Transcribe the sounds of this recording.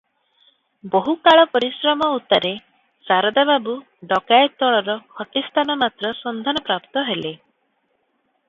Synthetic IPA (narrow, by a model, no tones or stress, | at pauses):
boɦukaɭɔpɔɾisɾɔmɔut̪aɾe | saɾɔd̪ababu | ɖɔkajt̪ɔɭɔɾɔhɔʈist̪ʰanɔmat̪ɾɔsɔnd̪ʱanɔpɾapt̪ɔɦele